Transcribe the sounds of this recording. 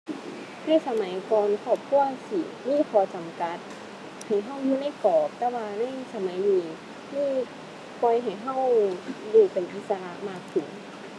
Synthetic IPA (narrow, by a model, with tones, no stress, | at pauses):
na˧˥˨sa˧ma˨˦jkɔː˧nkʰɔː˧˩p̚kʰu˧˥˩ɐsi˨˩˦miː˥˨pʰɔː˧t͡ɕa˨mka˧˦t̪̚ | ha˨˩jɦa˧˥˩wjuː˧˦na˧˥˩jkɔː˨˩k̚t̪ɛː˧˩waː˧na˧˥˩jsa˧ma˨˦jdiː˧ | miː˥˨ | pɔ˧jɦa˨˩jɦa˥˩wjuː˧˩pe˨nʔi˧˦sa˧la˧˥ʔmaː˧˩k̚sʰu˨˩˦ŋ